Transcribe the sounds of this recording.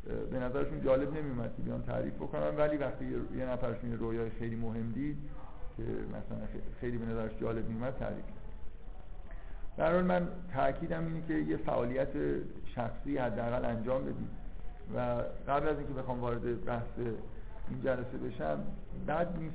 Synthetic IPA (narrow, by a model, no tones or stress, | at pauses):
be̞næzæɾeʃund͡ʒɒːle̞bne̞mijumæd̪̥̚cʰe̞bijɒ̰ːnt̪ʰæ̰ɾḭːfbo̞ko̞nænvæliːvæxt̪ʰiːjenæfæɾeʃunjeɾojɒːjexejliːmoɦe̞md̪iːd̪̚ | cʰe̞̰mʔæ̰sælænexejliːbe̞næzæɾæʃd͡ʒɒːle̞b̚mijumæd̪̚t̪ʰæ̰ɾḭːfe | d̪̥æɾhɒːlmæn | t̪ʰæʔcʰiːd̪æmiːnecʰe̞je̞fæ̰ʔɒːlijæt̪ʰeʃæxsiːhæd̪ːææɣælænd͡ʒɒːmbe̞d̪ḭːd̪̥̚ | væɣæblæziːŋcʰee̞xɒːmvɒːɾe̞d̪ebæhseind͡ʒælæse̞be̞ʃæmbæd̪niːs